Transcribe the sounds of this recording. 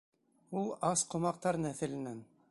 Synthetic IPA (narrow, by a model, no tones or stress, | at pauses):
ulˠɑsqŏmɑq̚t̪ɑɾnæθɘ̆lɘ̆næn